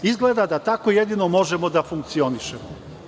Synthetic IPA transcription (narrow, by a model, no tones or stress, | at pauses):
izɡle̞d̪ad̪at̪ako̞jed̪ino̞mo̞ʒemo̞d̪afuŋk̚t̪sio̞niʃemo